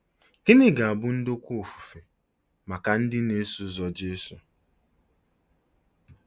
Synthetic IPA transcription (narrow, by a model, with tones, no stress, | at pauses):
ke˦nɪ˦ɡa˨a˨bʊ˦n̩˦do˦kʷo˨fu̥˨fe˨ | ma˨ka˨n̩˦dɪ˦ne˦su˨˦zɔ˨d͡ʒe˦su˨